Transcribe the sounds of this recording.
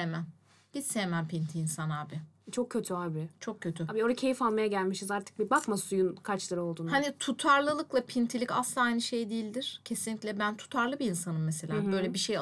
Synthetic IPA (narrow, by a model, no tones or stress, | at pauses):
emæn | b̥it̪sejemænpʰint̪ʰiiːnsanaːbɪ | t͡ʃʰo̞kcʰːøt̪ʰyaːbit͡ʃʰo̞k̚cʰːøt̪ʰyaːbioɾacʰe̞jifalˠmajaɟælʲmiʃizaɾt̪ʰɯ̥k̚bibakmasujunkʰat͡ʃlˠaɾɯo̞lˠd̪uːnhanit̪ʰut̪ʰaɾlˠɯlˠɯklˠapʰint̪ʰilʲica̰slˠaːajnɯʃe̞jd̪iːilʲd̪iɾ̥cʰe̞sinlʲicʲlʲɛbænt̪ʰu̥t̪ʰaɾlˠɯbiːnsanɯmːese̞lʲaːbø̞jlʲɛbiʃej